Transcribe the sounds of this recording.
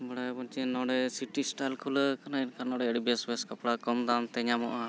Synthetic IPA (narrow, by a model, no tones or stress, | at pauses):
bəɽajbɔnt͡ʃinɔ̃ɽɛsiʈisʈajlkʰuləkanainkʰanɔɽɛəɽibɛsbɛskapɽakɔmd̪amt̪ɛɲamɔʔa